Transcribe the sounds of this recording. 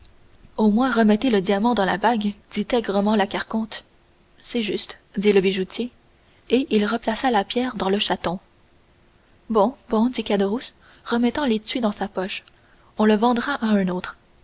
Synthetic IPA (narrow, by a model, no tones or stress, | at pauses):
omwɛ̃ʁəmɛt̪eləd̪jamɑ̃d̪ɑ̃labaɡd̪̥it̪ɛɡʁəmɑ̃lakaʁkɔ̃t̪ | sɛʒyst̪d̪iləbiʒut̪ʰje | eʔilʁəplasalapjɛːʁd̪ɑ̃ləʃat̪ɔ̃ | bɔ̃bɔ̃d̪ikad̪əʁus | ʁəmɛt̪ɑ̃let̪ɥid̪ɑ̃sapɔʃ | ɔ̃ləvɑ̃d̪ʁaʔaɛ̃noːt̪χ